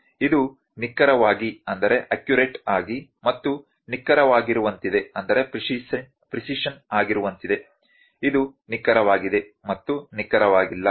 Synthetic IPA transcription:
id̪u | nikːɐɾɐʋaːɡiɐnd̪ɐɾe̞ʔɐkjuɾeʈaːɡimɐt̪ːu | nikːɐɾɐʋaːɡiɾuʋɐnt̪id̪e̞ɐnd̪ɐɾe̞pi | pɾisiʂɐnaːɡiɾuʋɐnt̪id̪e̞ | id̪unikːɐɾɐʋaːɡid̪e̞mɐt̪ːunikːɐɾɐʋaːɡilːɐ

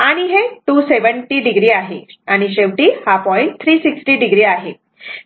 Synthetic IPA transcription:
aɽ̃iɦeʈuːseʋəɳʈiɖiɡɾiːaɦeaɽ̃iɕeʋʈiːhapɔjn̚t̪ʰɾiːsiksʈiɖiɡɾiːaɦe

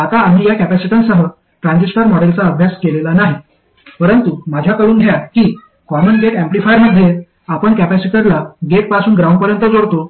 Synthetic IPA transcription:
at̪aːm̤iːjakæpæsiʈãnsəɦə | ʈɾãnd͡zisʈəɾmɔɽelt͡saəbʱjaskelelanaɦi | pəɾənt̪umad͡ʑʱjakəɽuːnɖʱjakiː | kɔmənɡeʈẽmplifajəɾməd̪ʱːje | apəɳkæpæsiʈəɾlaɡeʈ̚pasuːnɡɾaw̃ɳɖpəɾjənt̪əd͡zoɽt̪o

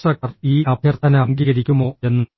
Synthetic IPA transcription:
ʈrɐk̚ʈɐriːʔɐbʱjɐrt̪ʰɐnɐɐŋɡiːɣɐɾikʲːumo̞ːe̞nːɨ

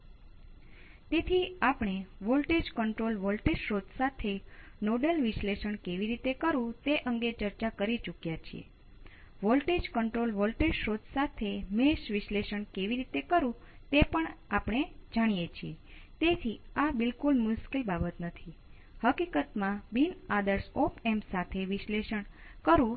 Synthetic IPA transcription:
t̪et̪ʰiapɳeʋolʈed͡ʒkəɳʈɾolʋolʈed͡ʒʃɾod̪sat̪ʰenoɖəlʋɪʃleʃəɳkeʋiɾit̪ekəɾũt̪eʔəŋɡet͡ʃəɾt͡ʃakəɾit͡ʃukjat͡ʃʰiḛ | ʋolʈed͡ʒkəɳʈɾolʋolʈed͡ʒʃɾod̪sat̪ʰemeʃʋɪʃleʃəɳkeʋiɾit̪ekəɾũ | t̪epəɳapɳ̃ed͡ʒaɽ̃ijet͡ʃʰiet̪et̪ʰiabɪlkulmuʃkilbabət̪nət̪ʰi | həkikət̪mãbinad̪əɾsopemsat̪ʰeʋɪʃleʃəɳkəɾũ

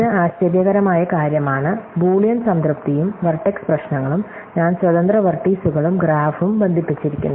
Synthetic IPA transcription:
ɨaːɕt͡ɕɐʋjɐɣɐɾɐmaːjɐkaːɾjɐmaːɳɨbuːɭjɐnsɐnd̪rɾɨp̚t̪ijumʋɐrʈːeksprɐɕnɐŋːɐɭum | ɲaːnswɐd̪ɐnd̪rɐʋɐrʈːiːsuɣɐɭumɡɾaːfumbend̪ʱipːit͡ɕːiɾikʲːṵnːu

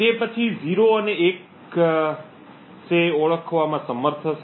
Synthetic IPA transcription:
t̪epət͡ʃʰiziɾoəneek | seoɭəkʰʋamãsəməɾt̪ʰəʃ

